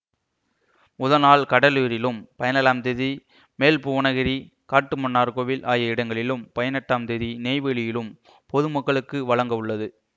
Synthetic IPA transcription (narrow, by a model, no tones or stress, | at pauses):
mʊðɐnaːlkɐɽɐliːɾɪlɯmpɐjɐnɐlaːmd̪eði | meːlpuʋɐɳɐɣɪɾi | kaːʈːɯmɐnːaːɾkoːʋɪlʔaːjɐɪɽɐŋɡɐɭɪlɯmpɐjɐnɐʈːaːmd̪ɛðineːɪʋeɭɪjɪlɯm | pɔðɯmɐkːɐɭɯkːɯʋɐɭɐŋɡɐʋɯɭːɐðɯ